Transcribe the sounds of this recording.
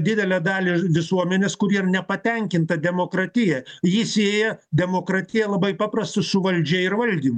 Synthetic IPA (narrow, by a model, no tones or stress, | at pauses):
d̪ʲɪd̪ʲɛlʲɛd̪ɑːlʲɪʋʲɪsuɔmʲɛnʲeːskʊɾiːɾnʲɛpɐt̪ʲɛŋʲkʲɪnt̪ɐd̪ʲɛmoːkɾɐt̪ʲɪjɛjiːsʲeːjɛd̪ʲɛmoːkɾɑːt̪ʲɪjɛlˠɐbɐɪpɑːpɾɐst̪ʊsʊʋɐlʲd͡ʒʲɛɪrʋɐlʲd̪ʲiːmʊ